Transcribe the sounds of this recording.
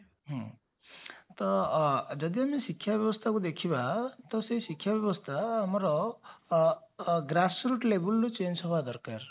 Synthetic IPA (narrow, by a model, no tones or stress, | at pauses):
ɦũ | t̪ʌd͡zʌd̪iɦamisikʰːjabjʌbʌst̪ʰakod̪ekʰibat̪ʌsʌjsikʰːjabjʌbʌst̪ʰaɦʌmɾʌ | ɡrasruʈlebulːot͡sensʰobad̪ʌrkar